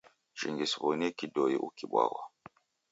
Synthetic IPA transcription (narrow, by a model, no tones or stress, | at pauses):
ʒ̥iŋɡisbonikidojiʔukiɓa̰wa